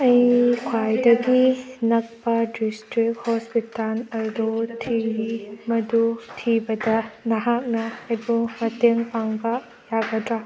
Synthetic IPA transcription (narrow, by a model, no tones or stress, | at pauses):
ɐjkʰwajdɐɡinɐk̚pɐdistɾik̚hɔspitalɐɾd̪otʰiimɐdutʰibɐdɐnɐɦak̚nɐɐjbumɐteŋpaŋbɐ | jaɡɐdɾa